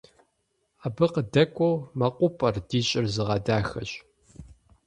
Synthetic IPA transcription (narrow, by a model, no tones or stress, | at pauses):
aːbɨqədɐkʷʼowmɐqʷʼʊpʼɐrdiːɕʼɪrzɨʁɐdaːxɐɕʼ